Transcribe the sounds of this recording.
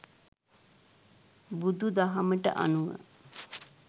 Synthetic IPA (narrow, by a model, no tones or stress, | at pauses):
bud̪ud̪aɦaməʈə̰ʔa̰nuʋə̰